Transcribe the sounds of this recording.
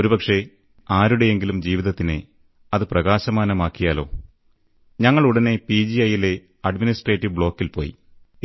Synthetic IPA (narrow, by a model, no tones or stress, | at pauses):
o̞ɾubɐkʂe̞ | aːɾuɽe̞eŋɡilumd͡ʑiːʋiðɐt̪ːinɨ | ɐðɨprɐɣaːɕɐmaːnɐmaːkːijaːlo̞̰ː | ɲɐŋːɐɭuɽɐne̞pid͡ʑiɐjile̞ | ɐɖminisʈreːtːiʋbɭo̞ːkːilpo̞ːjḭ